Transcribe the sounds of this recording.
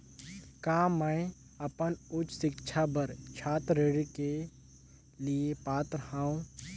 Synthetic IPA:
kaːmə | əpənʊt͡ʃsɪkt͡ʃʰabəɾt͡ʃʰaːt̪ɾeɽke | liepaːt̪ɾəhãːũ

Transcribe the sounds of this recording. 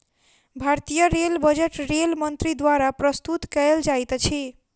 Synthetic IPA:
bʱaɾt̪ijəɾelbəd͡ʒeʈɾelmənt̪ɾid̪waɾapɾəst̪ut̪kəeld͡ʒajt̪t͡ʃʰi

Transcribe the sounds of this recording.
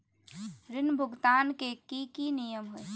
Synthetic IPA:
ɾɪnbʱʊɡt̪aːnkekikinijəmɦo

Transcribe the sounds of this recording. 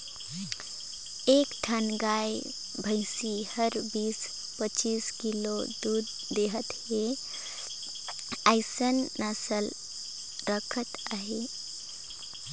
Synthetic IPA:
eːkʈʰənɡaːj | bʱəjsihəɾbiːs | pət͡ʃiːskilod̪uːd̪ːeɦət̪he | aɪsənːəsəl | ɾəkʰət̪aːɦe

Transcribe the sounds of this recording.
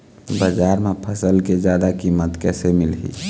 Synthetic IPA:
bəd͡ʒaːɾmepʰəsəlked͡ʒjaːd̪akimːət̪kɛːsemɪlɦḭ

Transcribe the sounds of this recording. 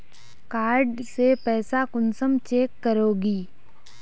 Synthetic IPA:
kaːɾɖsepɛːsakʊnsəmt͡ʃeːkːəɾoːɡiː

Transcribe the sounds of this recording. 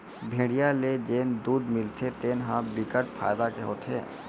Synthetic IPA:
bʱẽːɽijaled͡ʒeːnd̪uːd̪mɪlt̪ʰet̪eːnɦãbɪkəʈ̚pʰa̰ːjd̪akeɦo̰ːt̪ʰɦḛː

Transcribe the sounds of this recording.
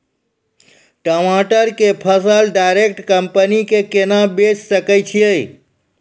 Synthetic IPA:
ʈɔmaʈəɾkepʰəsəlɖaɪɾek̚ʈkəmpənikekenabet͡ʃsəkət͡ʃʰijei

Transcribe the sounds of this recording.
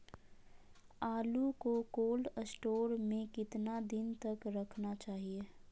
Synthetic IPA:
aːlukokoːlɖəsʈoːɾmẽkɪt̪nad̪ɪnt̪ɐkɾɐkʰnat͡ʃaːɦie

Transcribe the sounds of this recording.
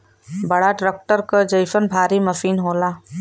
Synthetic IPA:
bɐɽaɖɾek̚ʈəɾkəd͡ʒəjfənbʱaːɾimɐfiːnɦoːlaː

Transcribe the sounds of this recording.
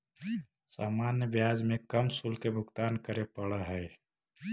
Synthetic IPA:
saːmaːnjəʋjaːd͡ʒmẽkəmsulkebʱʊɡt̪aːnkəɾepəɽaɦɛː

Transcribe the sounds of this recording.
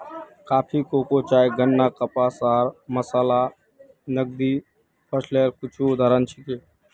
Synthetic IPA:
kaːpʰikoːkot͡ʃaːjɡənːaːkəpaːsaːɾməsaːla | nəɡ̚d̪iː | pʰəsleːɾkʊt͡ʃʰud̪ʱaɾənt͡ʃʰɪkeː

